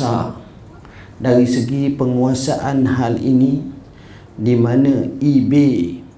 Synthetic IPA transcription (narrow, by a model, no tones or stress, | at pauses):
a̰ | daɾisəɡipəŋuasaʔanɦalḭni | dimãnãibe